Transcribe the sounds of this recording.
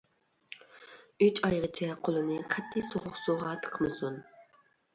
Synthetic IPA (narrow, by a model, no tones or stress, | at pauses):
yt͡ʃɑjʁət͡ʃʰɛqʰolˠɨnɨqʰɛt̪ʰːijsoχʊqsoʁɑt̪ʰə̥qʰəmɨsun